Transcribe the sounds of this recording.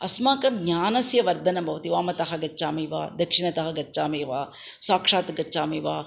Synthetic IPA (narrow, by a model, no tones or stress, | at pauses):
ɐsmaːkɐmɡɲaːnɐsjɐʋɐɾd̪ʱɐnɐbʱɐʋɐt̪iʋaːmɐt̪ɐɦɐɡɐt͡ʃːt͡ʃaːmeːʋa̰ːd̪ɐkʂiɳɐt̪ɐɦɐɡɐt͡ʃːʃaːmeːʋaː | saːkʂaːt̪ɡɐt͡ʃːt͡ʃːaːmeːʋa̰ː